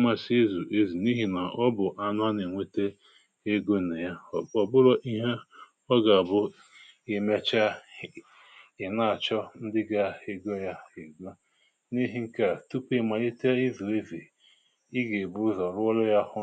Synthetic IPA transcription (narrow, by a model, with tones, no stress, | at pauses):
ma˦˨si˦zu˨ʔe˦zi˨ni˦ɦi˨na˨ʔɔ˦bʊ˨ʔa˦nʊ˦a˦ne˨ŋʷe˦te˦ | e˦ɡo˦˨ne˨ja˦ɔ˨bʊ˦lɔ˦ʔi˦ɦe˦ | ɔ˦ɡa˨a˨bʊ˦ | e˨me˦t͡ʃa˦ | ɪ˨na˦a˨t͡ʃɔ˦n̩˦dɪ˦ɡa˦e˨ɡo˦ja˦e˨ɡʷo˦ | ni˦ɦi˦ŋ̩˦ka˨tu˦pe˦˨ma˨e˦te˦i˦vu˨e˦ve˨ | i˦ɡe˨bu˦zɔ˨ɾʊ˦ɔ˦lɔ˦ja˦hʊ˦